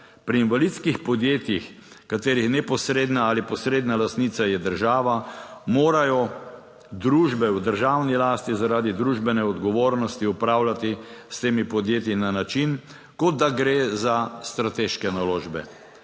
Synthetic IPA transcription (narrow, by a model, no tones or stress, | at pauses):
pɾiːnʋalit̪skixpɔd̪jeːt̪jix | kat̪eːɾixnɛpɔsɾeːd̪naalipɔsɾeːd̪nalast̪niːt̪sajɛd̪əɾʒaːʋamoːɾajɔ | d̪ɾuːʒbɛwd̪əɾʒawnilaːst̪izaɾaːd̪id̪ɾuʒbɛnɛɔd̪ɡɔʋoːɾnɔst̪iupɾaːwlat̪ist̪eːmipɔd̪jeːt̪jinanat͡ʃin | kɔd̪d̪aɡɾeːzast̪ɾat̪eːʃkɛnaloːʒbɛ̰